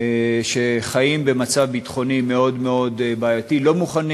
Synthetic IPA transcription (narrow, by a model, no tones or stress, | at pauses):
ʃe̞χajimbe̞mat͡savbit̪χo̞nime̞o̞dme̞o̞d̪baːjatilo̞muχan